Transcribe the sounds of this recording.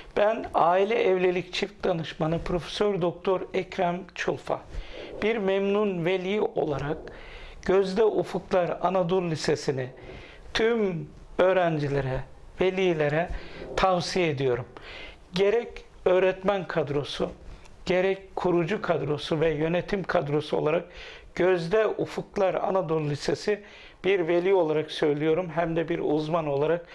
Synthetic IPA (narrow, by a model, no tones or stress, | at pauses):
b̥ænaːilʲɛʔɛvlʲe̞lʲict͡ʃʰifk̚d̪anɯʃmanɯpʰɾo̞fe̥søɾd̪o̞k̚t̪ʰo̞ɾɛcɾæmt͡ʃʰulˠfa̰b̥iɾmɛmnunve̞lʲijiʔo̞̰lˠaɾak̚ | ɟ̥ø̞zd̪ɛʔufuklˠaɾanad̪uɾlʲisesini | t̪ʰym | ø̞ːɾænd͡ʒilʲeɾɛ | ve̞lʲiːlʲe̞ɾɛt̪ʰavsijeed̪ijo̞ɾum | ɟe̞ɾɛc | øːɾɛt̪mænkʰad̪ɾo̞su | ɟ̥e̞ɾɛckʰuɾud͡ʒukʰad̪ɾo̞suvɛjø̞net̪ʰimkʰad̪ɾo̞suo̞̰lˠaɾak̚ | ɟ̥øzd̪ɛʔufuklˠaɾa̰nad̪ulˠlʲise̞si | b̥iɾve̞lʲiːo̞lˠaɾaksø̞jlʲijo̞ɾumɦæmd̪ɛbiɾuzmano̞lˠaɾak